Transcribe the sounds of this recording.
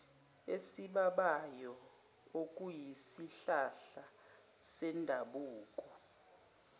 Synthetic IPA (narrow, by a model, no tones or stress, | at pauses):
esiɓaɓajɔ | ok̬ʼujisiɬaɬa | sɛndʱaɓuːk̬ʼɔ